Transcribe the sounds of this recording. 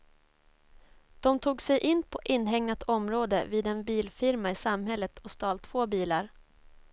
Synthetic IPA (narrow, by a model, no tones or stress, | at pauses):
d̪̥ɔmt̪ʰuːɡsɛjʔɪnːpʰɔʔɪnːɦɛŋnat̪ʰɔmɾoːd̪ə̰viːd̪ɛnbiːlfɪɾmaɪsamhɛlːət̪ʰɔst̪ɑːlt̪ʰːvoːbiːlaɾ